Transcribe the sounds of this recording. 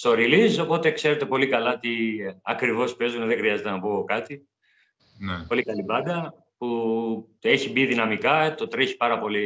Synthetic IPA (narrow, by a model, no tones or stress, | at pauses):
st̪o̞ɾiliso̞po̞t̪e̞kse̞ɾe̞t̪e̞po̞likɐlɐt̪iɐkɾivo̞spe̞zunðexɾiɐzet̪enɐpukɐt̪i | nepo̞likɐlipɐnd̪ɐ | pu | e̞çibiðinɐmikɐt̪o̞t̪ɾeçi̥pɐɾɐpo̞li